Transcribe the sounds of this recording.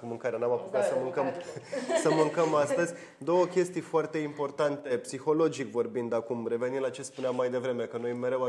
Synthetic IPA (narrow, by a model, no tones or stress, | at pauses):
mɨŋkaɾenamapuk̪at̪səmɨŋkəmsəmɨŋkəmast̪əzʲ | d̪o̞wəkʲe̞st̪ijfoart̪e̞impo̞rt̪ant̪e̞psixo̞lo̞d͡ʒikvo̞rbind̪akumre̞ve̞ninlat͡ʃe̞spuneamːajd̪e̞vɾe̞me̞kənojme̞ɾe̞wa